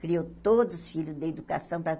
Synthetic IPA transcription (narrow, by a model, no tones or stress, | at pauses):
kɾiowt̪od̪ʊzʊsfilʊzd̪ɪed̪ukasɐ̃w̃pɾɐ